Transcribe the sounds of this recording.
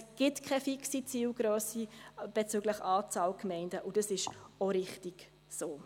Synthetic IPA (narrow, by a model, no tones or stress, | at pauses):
ɡ̥ɪtkʰχɛfiksit͡siːlɡɾøːsib̥et͡syːɡlɪχɑːt͡sɑːlkmɛɪndəʔud̥ɑsɪʃoɾɪχtiɡ̥ | soː